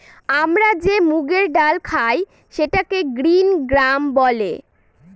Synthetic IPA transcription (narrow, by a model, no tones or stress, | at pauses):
amɾad͡ʑemuɡeɾɖalkʰaj | ʃeʈakeɡɾinɡɾambɔlḛ